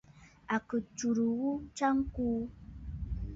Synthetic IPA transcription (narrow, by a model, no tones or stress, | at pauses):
akɨt͡ʃuɾuwut͡ʃaŋku